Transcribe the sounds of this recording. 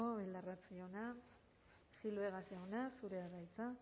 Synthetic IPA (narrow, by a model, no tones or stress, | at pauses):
oβeld̪arat͡siona | xilβe̞ɣaseonasuɾe̞aðajt͡sa